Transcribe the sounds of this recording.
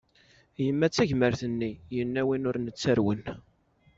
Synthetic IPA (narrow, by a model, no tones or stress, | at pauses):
jəmːæt͡sːæʝməɾθənːijənːæwinʊɾnət͡sːəɾwən